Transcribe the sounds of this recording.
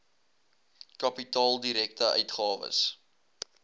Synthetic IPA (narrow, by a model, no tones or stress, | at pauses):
kɐpitɑːlˠdiɾɛktəœ̰ɥtχɑːvə̰s